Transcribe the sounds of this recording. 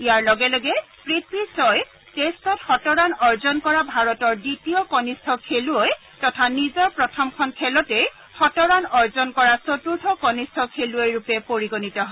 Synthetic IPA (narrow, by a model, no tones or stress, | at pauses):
ijaɹlɔɡɛlɔɡɛ | pɹitɹisɔj | testɔtxɔtɔɹanɔɹzɔnkɔɹabʱaɹɔtɔɹditiɔkɔnistʰɔkʰeluoj | tɔtʰanizɔɹpɹɔtʰɔmkʰɔnkʰɛlɔtɛj | xɔtɔɹanɔɹzɔnkɔɹasotuɹtʰɔkɔnistʰɔkʰeluojɹupɛpoɹiɡonitɔɦɔ